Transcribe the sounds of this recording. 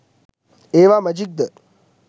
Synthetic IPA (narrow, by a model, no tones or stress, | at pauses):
eːʋaːmɐd͡ʒik̚d̪ə